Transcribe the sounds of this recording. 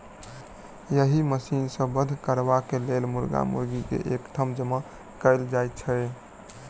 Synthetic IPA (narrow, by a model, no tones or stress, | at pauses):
jəɦiməsinsə̃bəd̪ʱkəɾbakelelmuɾɡa̰mṵɾɡikḛʔekt̪ʰəmd͡ʒəma | kəɪld͡ʒajt̪̚t͡ʃʰə